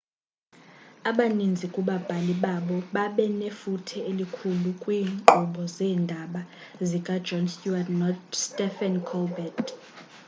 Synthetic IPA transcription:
aɓanind͡zʱikʼuɓab̥ʱaliɓaɓɔɓaɓɛnefutʰɛelikʰulukʼwiːŋǃɔɓɔzɛːndʱaɓa | zikʼad̥d͡ʒɔnscuadnɔtstʼɛfɛnkʰɔlbɛt

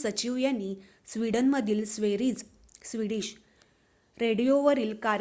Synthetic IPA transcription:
sət͡ɕiʋjaniː | sʋiɽənməd̪ʱiːlsʋeɾiːd͡z | sʋiɽiːɕ | ɾeɽijoʋəɾiːlkaɾ

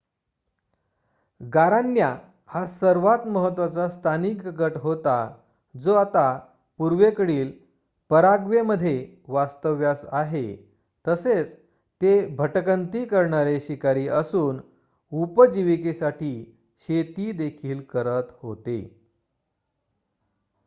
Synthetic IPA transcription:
ɡaɾanːja | hasəɾʋat̪məɦət̪ːʋat͡sast̪ʰanikɡəʈɦot̪a | d͡zoat̪a | puɾʋekəɽiːl | pəɾaɡʋeməd̪ʱːje | ʋast̪əʋjasaɦḛ | t̪əset͡s | t̪ebʱəʈəkənt̪iːkəɾɳaɾeɕikaɾiːʔəsuːn | upəd͡ʑiʋikesaʈiː | ɕet̪iːd̪ekʰiːlkəɾət̪ho̰t̪ḛ

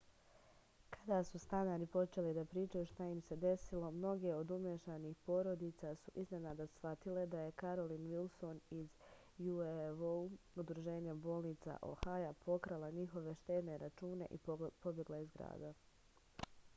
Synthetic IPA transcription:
kʰad̪asust̪anaɾipo̞t͡ʃe̞lid̪apɾiːt͡ʃajuʃt̪ajimse̞d̪e̞silo̞mno̞ɡe̞o̞d̪umjeʃaniːxpo̞ɾo̞d̪iːt̪sasuʔizne̞nad̪asʋat̪ile̞d̪aje̞kaɾo̞liːnʋilˠso̞niz | jueʋoud̪ɾuʒe̞ːɲabo̞ːlˠnit̪sa̰ʔo̰hajapʰo̞kɾalaɲixo̞ʋe̞ʃt̪e̞ːd̪neɾat͡ʃuːne̞̰ʔipo̞bje̞ɡlaizɡɾa̰ːd̪a

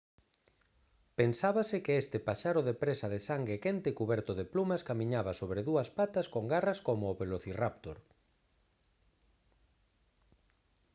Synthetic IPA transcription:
pensaβasɪkeest̪ɪpaʃaɾʊðepɾesaðesaŋɡekent̪ɪkuβɛɾt̪ʊðeplumaskamĩɲaβasoβ̞ɾeðuɐspat̪askoŋɡaraskomʊːβeloθirapt̪oɾ

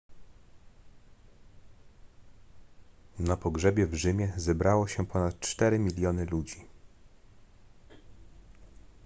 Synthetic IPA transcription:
napɔɡʐɛbʲjɛvʐɘmʲjɛzɛbɾawɔɕɛpɔnat̪̚t͡ʂt̪ɛɾɘmʲilʲjɔnɘlud͡ʑi

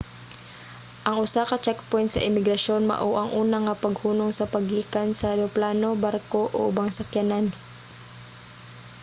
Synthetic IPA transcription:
ʔɐŋʔʊsakɐt͡ʃɛk̚pojnt̪sɐ̰ʔɪmɪɡɾɐʃo̞nmɐ̰ʔoʔɐŋʔuːnaŋɐpɐɡhuːnoŋsɐpɐɡiːkansɐɾɛoplaːno̞baɾko̞ʔo̰ʔʊbaŋsɐkjanan

